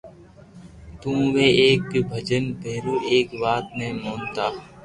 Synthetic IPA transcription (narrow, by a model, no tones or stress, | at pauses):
t̪ũːʋeːeːkbʱəd͡ʒənpeːɾoːʔeːkʋaːt̪neːmoːnt̪aː